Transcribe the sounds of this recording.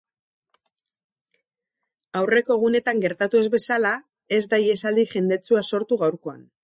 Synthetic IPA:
awre̞ko̞ɣ̞une̞t̪aŋɡe̞ɾt̪at̪ue̞zβe̞sala | e̞zd̪aje̞sald̪iʝe̞nd̪e̞t͡suaso̞ɾt̪uɣawɾko̞a̰n

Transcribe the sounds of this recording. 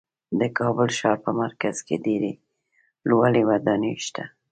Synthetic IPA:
d̪əkʰɑbəlʃɑɾpəmaɾkaz̥ked̪eɾe | lwalewad̪ɑneʃt̪ʰa

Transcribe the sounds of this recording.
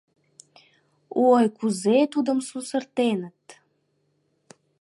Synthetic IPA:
uojkuzet̪ud̪ə̆msusərt̪enət̪

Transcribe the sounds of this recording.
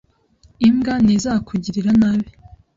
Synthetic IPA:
imɡanezakʰuɟiɾiɾanaβi

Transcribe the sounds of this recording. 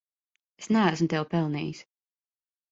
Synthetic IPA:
esnææsmt̪ɛwpɛlˠnḭːs

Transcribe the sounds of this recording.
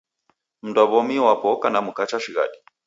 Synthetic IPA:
m̩ndwaβɔmiwapɔkanamukat͡ʃaʃiɣa̰ɗi

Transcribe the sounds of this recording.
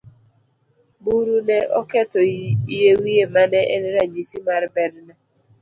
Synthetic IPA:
buɾunɛʔɔ̰kɛtɔijewiemanɛʔḛneɾaɲisimaɾɪbɛdna

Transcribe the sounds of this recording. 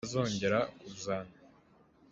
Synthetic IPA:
zo̞ːɲɟe̞ɾakuzaːna

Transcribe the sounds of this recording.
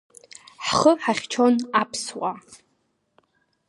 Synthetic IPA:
ħχəħaχʲt͡ʃʰo̞napʰswa

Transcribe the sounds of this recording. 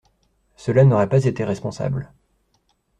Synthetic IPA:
səlanɔʁɛpazet̪eʁɛspɔ̃sa̰bl

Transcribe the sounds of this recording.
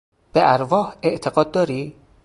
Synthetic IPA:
b̥eʔæɾvɒːhe̞ʔt̪ʰe̞ɡɒːd̪̚ːɒːɾiː

